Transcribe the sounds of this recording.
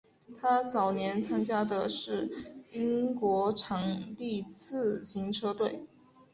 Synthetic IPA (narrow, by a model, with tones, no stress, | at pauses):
t̪ʰa˥t͡sɑ˨˩ʊnjɛ˧˥nt͡sʰa˥ŋt͡ɕja˥d̪ə˨ʂɻ̩˥˩i˥ŋkwɔ˧˥ʈ͡ʂʰɑ˧˥ŋt̪i˥˧t͡sʰɹ̩˥˩ɕi˧˥ŋʈ͡ʂʰɤ˥t̪we˥˩ɪ